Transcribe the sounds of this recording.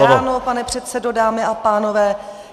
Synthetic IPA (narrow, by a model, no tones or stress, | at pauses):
aoːnopanɛpr̝̥ɛt̪sɛdo̞daːmɪʔapaːno̞vɛː